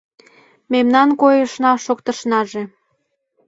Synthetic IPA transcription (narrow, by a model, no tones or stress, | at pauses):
memnɑnkojəʃnɑʃokt̪əʃnɑʒe